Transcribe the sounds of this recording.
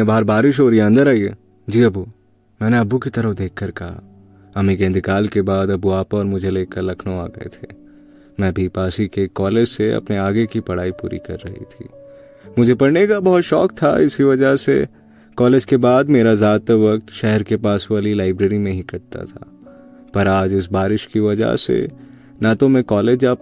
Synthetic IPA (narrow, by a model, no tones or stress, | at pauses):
ebaːəɾbaːɾɪʃ̬ɦoːɾieɐ̃nd̪əɾaːiḛ | d͡ʒiːɐbu | mɛ̃ːneɐbukit̪ɐɾəfd̪eːkʰːɐɾkɐɦa̰ | ɐmĩkẽːnd̪ɪkaːlkebaːd̪ɐbuaːpɔːɾmʊd͡ʒʱeleːkəɾlɐkʰnoaːɡɐ̰ḛt̪ʰeː | mɛ̃ːbʱipaːsikekɔːleːd͡ʒseɐ̰pneaːɡekipɐɽ̤aːipṵːɾḭkɐ̰ɾːɐɦḭt̪ʰḭː | mʊd͡ʒʱepɐɽnekabɐɦʊt̪ʃɔːk̚t̪ʰa̰ɪskiʋɐd͡ʒəɦsḛ | kɔːleːd͡ʒkebaːd̪meːɾazaːt̪eʋɐk̚t̪ʃɛɦɛɾkepaːsʋaːlilaːɪbɾeːɾimẽɦikɐɽt̪a̰t̪ʰa̰ː | pɐɾaːd͡ʒɪsbaːɾɪʃkiʋɐd͡ʒə̰ɦsḛ | nat̪omẽkɔːleːd͡ʒaːp̚